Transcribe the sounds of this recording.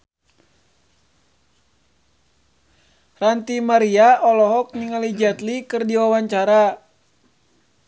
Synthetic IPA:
rant̪imaɾiaʔɔlɔɦɔk̚niŋalid͡ʒat̪likɨrdiwawaɲt͡ʃaɾa

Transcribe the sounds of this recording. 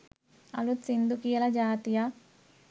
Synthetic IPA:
ɐ̰lut̪sind̪ukijɐlɐd͡ʒaːt̪ija

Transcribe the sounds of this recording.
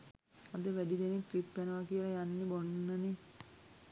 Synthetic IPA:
ad̪əʋæɖid̪enekripːænəʋakijələjanːebonːəne

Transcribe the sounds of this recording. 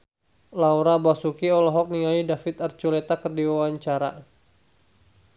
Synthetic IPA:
lawɾabasukiɔlɔɦɔk̚niŋaidafɪt̪art͡ʃulet̪akərdiwawaɲt͡ʃaɾa̰

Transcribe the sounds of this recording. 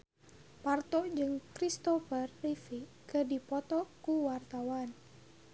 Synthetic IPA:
part̪ɔd͡ʒɨŋkɾist̪ɔfərːifikədipɔt̪ɔkuwart̪awan

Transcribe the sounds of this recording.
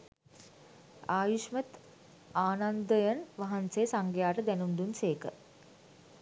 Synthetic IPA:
aːjuʂmət̪ | aːnand̪əjənʋaɦanseːsaŋɡjaːʈəd̪ɛnund̪unseːkə̰

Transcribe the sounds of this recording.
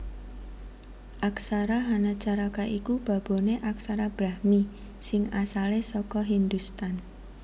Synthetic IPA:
ʔaksaɾaɦanat͡ʃaɾakaʔikub̥ä̤b̥o̤neʔaksaɾab̥ɾahmi | sɪŋasalesɔkɔɦind̪ust̪an

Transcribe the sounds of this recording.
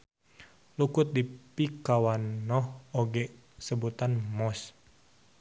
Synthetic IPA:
lukʊt̪̚dipikawanːɔhoɡɛʔ | səbut̪anmɔs

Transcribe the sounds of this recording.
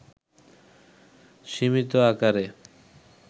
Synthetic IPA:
ʃimit̪oakaɾe

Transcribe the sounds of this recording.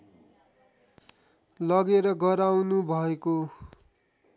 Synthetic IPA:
lʌɡeɾʌɡʌɾawnubʱʌeko

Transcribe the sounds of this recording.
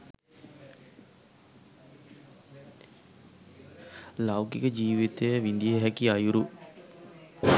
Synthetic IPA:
lawkikəd͡ʒiːʋit̪ejəʋind̪ieɦɛkiajuɾu

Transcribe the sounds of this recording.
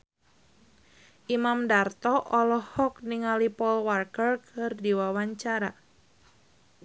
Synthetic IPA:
ʔimamdart̪ɔʔɔlɔhɔkniŋalipɔlwarkərkʰɨrdiwawaɲt͡ʃaɾa

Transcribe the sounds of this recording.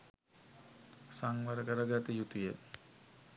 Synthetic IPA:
saŋʋəɾəkəɾəɡat̪əjut̪uje

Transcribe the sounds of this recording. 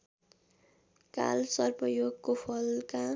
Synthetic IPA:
ka̰lsʌrbʌjoɡkopʰʌlka

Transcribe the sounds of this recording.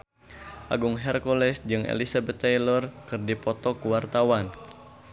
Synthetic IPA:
ʔa̰ɡuŋɦɛrkɔlɛsd͡ʒɨŋʔḛlisabɛt̪ːajlɔrkɨrdipɔt̪ɔkuwart̪awan

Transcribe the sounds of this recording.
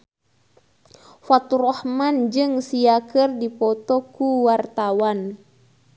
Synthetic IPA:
fat̪urɔhmand͡ʒɨŋsiakɨrdipɔt̪ɔkuwart̪awan

